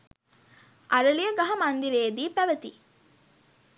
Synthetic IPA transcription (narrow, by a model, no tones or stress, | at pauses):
ʔaɾəlijəɡaɦɐmand̪iɾeːd̪iːpæʋət̪ḭ